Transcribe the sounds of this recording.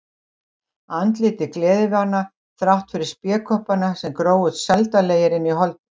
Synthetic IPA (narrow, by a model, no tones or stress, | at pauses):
ant̪lɪːt̪ɪklɛːðɪvanːa | θɾawht̪fɪɾɪɾ̥spjɛːkʰɔhpanasɛmkɾoːwʏðsɛlt̪aleːjɪɾɪnːiɦɔlt̪̚